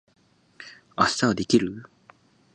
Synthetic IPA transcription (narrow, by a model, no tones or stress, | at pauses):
asːaad̪e̞kʲiɾɯ